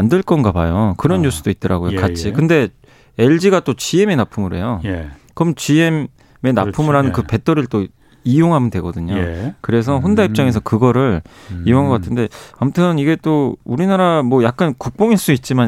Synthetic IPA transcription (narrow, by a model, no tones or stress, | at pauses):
andɯɭk͈ʌnɡabajokɯɾʌnːus͈ʰud̥oit̚t͈ʌɾa̰ɡojokat͡ɕʰikɯnde̞ | e̞ɭd͡ʑiɡat͈ot͡ɕie̞me̞napʰumɯɾe̞̰jokʌmt͡ɕiem | me̞na̰pʰumɯɭɦanɯnkɯpe̞tʰʌɾiɭt͈o | ijoŋɦamʌndwe̞ɡʌdɯɲokɯɾe̞s̬ʰʌɸondaip̚t͡ɕ͈aŋe̞s̬ʰʌkɯɡʌɾɯɾijoŋaŋɡʌk͈atʰɯnde̞amutʰɯniɡe̞t͈ouɾinaɾamwʌjak̚k͈ankuk̚p͈oŋiɭs͈uit̚t͡ɕ͈ima